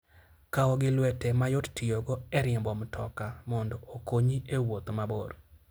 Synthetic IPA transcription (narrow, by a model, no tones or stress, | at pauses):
kaɔɡɪlwɛtɛmajottɪjoɡoɛɾɪɪmbɔmtʰɔkamɔndɔokoɲiewot̪mabo̰ɾ